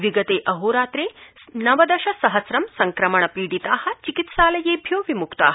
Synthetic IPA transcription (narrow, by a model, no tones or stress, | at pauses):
ʋiɡɐt̪eːʔɐɦoːɾaːt̪ɾeːnɐʋɐd̪ɐʃɐsɐɦɐsɾɐmsɐŋkɾɐmɐɳɐpiːɽit̪aːhɐ̆t͡ʃikit̪ʃaːlɐjeːbʱjoːʋimukt̪a̰ːɦɐ